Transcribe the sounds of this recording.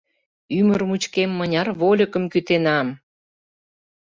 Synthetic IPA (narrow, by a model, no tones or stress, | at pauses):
ymərmut͡ɕkemːənʲɑrβolʲəkə̆mkyt̪enɑm